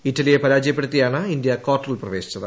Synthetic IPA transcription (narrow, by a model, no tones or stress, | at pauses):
itːɐlijepɐɾaːd͡ʑɐjɐpːe̞ɽut̪ːijaːɳɨind̪jɐkoːʈːrɐlprɐʋe̞ːɕi̥t͡ɕːɐðɨ̰